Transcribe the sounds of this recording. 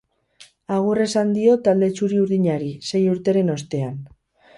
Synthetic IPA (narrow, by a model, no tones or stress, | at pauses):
aɣ̞ure̞sand̪io̞t̪ald̪e̞t͡ʃuɾiuɾðiɲaɾise̞juɾt̪e̞ɾe̞no̞st̪e̞an